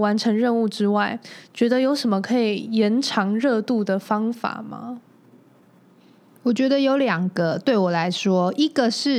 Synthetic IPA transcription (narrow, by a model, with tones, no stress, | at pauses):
wa˧˥nʈ͡ʂʰə˧˥ŋɻə˥˧nu˥˩ʈ͡ʂɻ̩˥wa˥˩ɪt͡ɕɥɛ˧˥d̪ə˧jo˧˥ʊʂə˨˩nmə˦kʰɤ˧˥i˨˩jɛ˧˥nʈ͡ʂʰɑ˧˥ŋɻɤ˥˧t̪u˥˩d̪ə˩fɑ˥ŋfa̰˨˩mɐ̰˦ | wɔ˨˩t͡ɕɥɛ˧˥d̪ə˧jo˧˥ʊljɑ˨˩ŋɡə˦t̪we˥˩ɪwɔ˨˩la˧˦˥ɪʂwɔ˥i˥ɡ̥ə˨ʂɻ̩˥˨